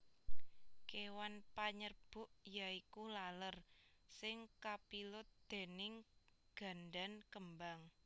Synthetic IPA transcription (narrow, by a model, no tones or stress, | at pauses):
kewanpaɲərb̥ʊ̤ʔjaikulalərsɪŋkapilʊd̪̥e̤nɪŋɡ̥a̤ndankəmbaŋ